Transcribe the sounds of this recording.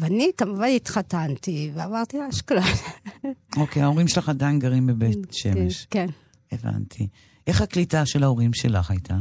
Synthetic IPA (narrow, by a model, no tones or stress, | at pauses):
veanikamuvanit̪χatant̪iveavaʁt̪iaʃklat | o̞kejao̞ʁimʃelaχadajinɡaʁimbebetʃḛmeʃken | eva̰ntʰi | ʔe̞χaklitaʃelaoʁimʃelaχajt̪ʰa